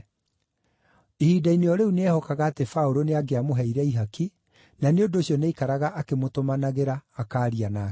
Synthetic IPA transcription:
ihiːdaineɔɾeuneɛhɔkaɣaːtefaoɾoneaɡeamoɦɛiɾɛiɦaki | naneondoːɕjɔneikaɾaɣaʔːkemotomanaɣeɾaːkaːɾianaː

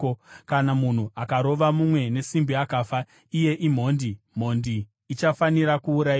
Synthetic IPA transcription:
kanamun̤uakaɾo̞ʋamumwe̞ne̞simbiakaːfa | ije̞ʔim̤o̞ːndi | m̤o̞ndiː | t͡ʃafaniɾakuːɾai

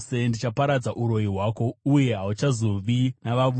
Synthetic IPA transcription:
sendit͡ʃapaɾad͡zaʔuɾo̞iɦwaːko̞uje̞ɦaut͡ʃazoʋinaʋaʋu

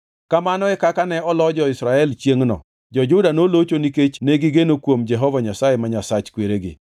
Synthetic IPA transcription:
kamanɔɛkakanɛɔlɔd͡ʒɔɪsɾaɛlt͡ʃjeŋnɔ̰ | d͡ʒɔd͡ʒʊdanolot͡ʃoniket͡ʃneɡɪɡenokwomd͡ʒɛɦɔvaɲasajemaɲasat͡ʃkweɾeɡɪ̰

